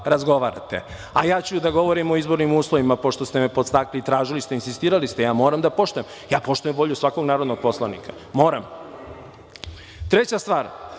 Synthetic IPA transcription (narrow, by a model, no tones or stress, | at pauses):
ɾazɡo̞ʋaɾa̰t̪e̞̰ | ajaːt͡ɕud̪aɡo̞ʋoɾimo̞izbo̞ɾnimuːslˠoʋimapo̞ʃt̪ost̪emepo̞t̪st̪aklit̪ɾaːʒilist̪e̞insist̪iːɾalist̪e̞jaːmo̞ːɾamd̪apo̞ʃt̪ujem | jaːpo̞ʃt̪ujembo̞ʎusʋako̞ɡnaːɾo̞d̪noɡ̚po̞slˠanikḁ | mo̞ːɾa̰m | t̪ɾet͡ɕast̪ʋaːɾ